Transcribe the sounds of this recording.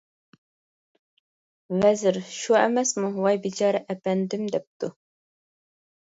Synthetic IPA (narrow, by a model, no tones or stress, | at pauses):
vɛzɪɾʃuɛ̰mɛsmuwɑjbit͡ʃʰɑːɾɛʔɛpɛnd̪ɪmd̪ɛp̚t̪ʰu